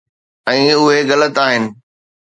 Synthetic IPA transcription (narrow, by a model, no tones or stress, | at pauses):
ɛ̃ːʊɦeɣɐlət̪aːɦɪnɪ̆